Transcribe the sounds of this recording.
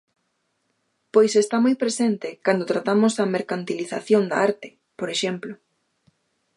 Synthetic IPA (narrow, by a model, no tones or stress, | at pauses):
pojsest̪amojpɾesent̪ɪkand̪ot̪ɾat̪amʊzɐmeɾkant̪iliθaθjond̪ɐ̰aɾt̪ɪ̥ | poɾeʃemplʊ